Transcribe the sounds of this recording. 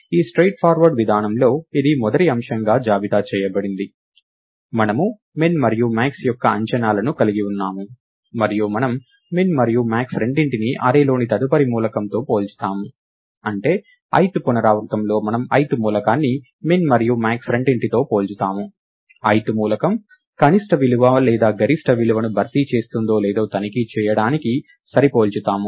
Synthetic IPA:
iːsʈɾejʈ̚pʰaːɾʋɐɾɖʋid̪ʱaːnɐmlo̞ːid̪imɔd̪ɐʈiɐmʂɐŋɡaːd͡ʒaːbit̪aːt͡ʃɛːjɐbɐɽind̪i | mɐnɐmuː | eːnmɐɾijumaːksjɔkːɐɐɲt͡ʃɐnaːlɐnukɐliɡiunːaːmu | mɐɾijumɐnɐmː | nmɐɾijumaːksɾe̞ɳɖiɳʈiniʔɐɾeːlo̞ːnit̪ɐd̪upɐɾimuːlɐkɐnt̪o̞ːpo̞ːlt͡ʃu̥t̪aːmu | ɐɳʈe̞ː | ɐ̰jt̪upunɐɾaːʋɐɾt̪ɐmlo̞ːmɐnɐmɐjt̪umuːlɐkaːnːi | me̞ːmmɐɾijumaːksɾe̞ɳɖiɳʈit̪o̞ːpo̞ːlt͡ʃut̪aːmu | ɐjt̪umuːlɐkɐm | kɐniʂʈɐʋiluʋɐlɛːd̪aːɡɐɾisʈɐʋiluʋɐnubʱɐɾt̪it͡ʃe̞ːst̪und̪o̞ːlɛːd̪o̞ːt̪ɐnikit͡ʃɛːjɐɽaːniki | sɐɾipo̞ːlt͡ʃut̪aːmu

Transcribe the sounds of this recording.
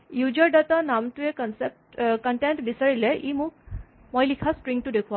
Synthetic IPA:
jud͡ʒəɾɖat̪anamʈ̪uekənsep̚ʈkəɳʈeɳʈbisəɾileʔimũk | mɔjlikʰasʈɾiŋɡ̚ʈud̪ekʰua

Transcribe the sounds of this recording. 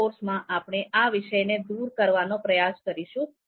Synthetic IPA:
oɾsmãʔapɽ̃eʔaʋɪʃəjned̪uɾkəɾʋanopɾəjaskəɾiʃũ

